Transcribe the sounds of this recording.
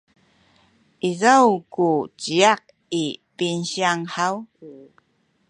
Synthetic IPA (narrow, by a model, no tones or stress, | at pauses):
ʔizawkut͡ɕiaq̚ | ipinɕiaŋħaw